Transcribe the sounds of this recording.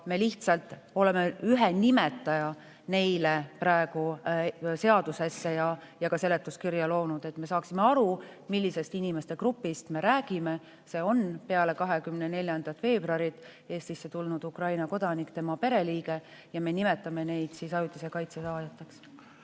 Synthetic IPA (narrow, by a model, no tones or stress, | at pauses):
me̞liht̪sɑlt̪ˑ | o̞le̞me̞yɦenime̞t̪ːˑɑjɑ | ne̞jlepɾɑˑeɡ̥u | se̞ɑd̪̥use̞sːejɑ | jɑkɑse̞le̞t̪ːˑuskirjɑlo̞ːnud̪̥e̞t̪ːme̞sɑːksimeɑɾumilʲːise̞st̪inimest̪e̞kɾupːist̪me̞ɾæːɡ̥ime̞ | se̞ːo̞npe̞ɑle̞kɑɦe̞kymnene̞lʲjɑnd̪̥ɑt̪ːˑfe̞ːbroɑɾit̪ːˑe̞ːst̪isːe̞t̪ulnud̪̥ukrɑjnɑko̞d̪̥ɑnikt̪emɑpe̞ɾe̞liːɡe̞ | jɑme̞nime̞t̪ːˑɑme̞ne̞jd̪̥sisɑjut̪ːˑise̞kɑjt̪sesɑːjɑt̪ːˑeks